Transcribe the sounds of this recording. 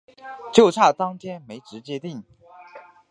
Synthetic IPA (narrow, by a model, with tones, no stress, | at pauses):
t͡ɕjo˥˧ʊʈ͡ʂʰa˥˩t̪ɑ˥ŋt̪ʰjɛ˥nme˧˥ɪʈ͡ʂɻ̩˧˥t͡ɕjɛ˥t̪i˥˩ŋ